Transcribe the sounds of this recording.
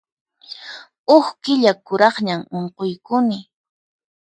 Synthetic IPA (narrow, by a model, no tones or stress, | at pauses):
oχkɪʎakʊɾɑχɲamoɴqojkʊnɪ